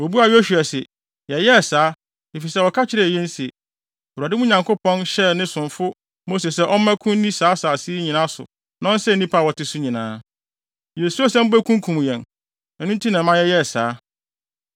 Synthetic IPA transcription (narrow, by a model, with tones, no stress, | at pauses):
wo˨bu˦a˨jo˦ɕᶣu˨ɛ˨sɪ˨ | jɛ˨jɛ˦˨saː˨˦ | e˨fi˨sɛ˦wɔ˨kʰa˦t͡ɕʰɪ˦ɾɛ˦˨ɛ̃˦n˦sɪ˨ | o˨ɾa˨dɪ˦mũ˦ɲã˨ŋkʰʊ˦pʰɔ̃˦nɕɛ˦nɪ̃˦sʊ̃˨ɱfʊ˦ | mo˦s̬e˨sɛ˦ʔɔ˦mã˦kʰʊ̃˦n˦nĩ˦saː˨˦saː˨si˦ɲĩ˨nã˦sʊ̰˨ | nã˦n˦sɛ˦nĩ˦pʰa˦˨wɔ˨tɪ˦sʊ˦ɲĩ˨nãː˦ | je˨su˦a˦sɛ̃˦m̩˦bæ˦kʰũ˦ŋ˦kʰũ˨m˨jɛ̃˨n | ɛ˨nʊ̃˦n˦tʰi˦nã˨mã˦jɛ˦jɛ˦˨saː˨˦